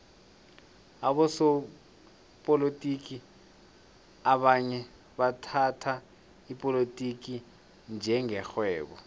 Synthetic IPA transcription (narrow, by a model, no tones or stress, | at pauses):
aɓɔsɔ | pʼolotʼikʼi | aɓaɲɛ | ɓatʰatʰa | ipʼolotʼik̬ʼi | nd͡ʒʱɛŋɛxwɛːɓɔ